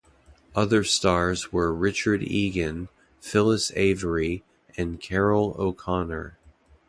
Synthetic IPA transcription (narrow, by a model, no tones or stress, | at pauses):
ʌðə˞stɑɹzwə˞ɹɪt͡ʃə˞ɾiɡɨ̃n | fɪlˠəsḛɪvə˞i | ɨ̃nkʰɛɹl̩ˠo̰ʊkʰɑnə̰˞